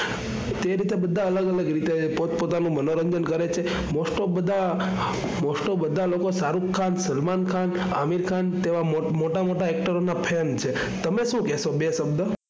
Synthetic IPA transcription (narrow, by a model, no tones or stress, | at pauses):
t̪eɾit̪ebəd̪ʱːaələɡələɡɾit̪epot̪pot̪anũmənoɾəɲd͡ʒənkəɾet͡ʃʰe | mosʈobəd̪ʱa | moʃʈobəd̪ʱalokosaɾukʰːansəlmankʰan | a̰miɾkʰant̪eʋa | moʈamoʈaɛk̚ʈəɾonapʰent͡ʃʰe | t̪əmeʃũkɛsobesəbd̪